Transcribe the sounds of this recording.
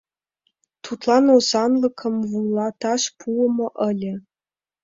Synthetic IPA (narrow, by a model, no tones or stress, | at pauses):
t̪ut̪lˠɑnosɑnlɤ̆kʰɤ̆mvulˠɑt̪ɑʂpʰuəmɤ̆ʔə̆lʲɘ̆